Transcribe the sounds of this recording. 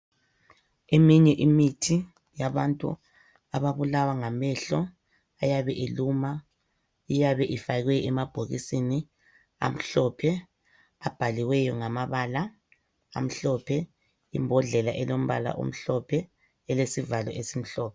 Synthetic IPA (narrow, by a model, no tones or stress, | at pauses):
emiɲɛʔimitʰi | jaβantʼṵ | aβaβulawaŋamɛɬɔ | ajaβɛʔeluma | ijaβɛʔifaɣɛɛmab̥ʱoɣḭsini | a̰m̩ɬɔpʰɛ | ab̥ʱaliwɛjɔŋamaβaːla | a̰m̩ɬɔpʰɛ | ḭmbʱɔɮɛlaʔɛlom̩βa̰la̰ʔṵm̩ɬɔpʰɛ | ɛlesivalɔʔesim̩ɬɔːpʰɛ